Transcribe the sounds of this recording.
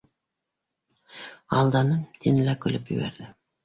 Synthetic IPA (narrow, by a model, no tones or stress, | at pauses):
ɑlˠd̪ɑnət̪ʰenɪlækʲʰɵlɪpjɵ̰βḛɾd̪ɪ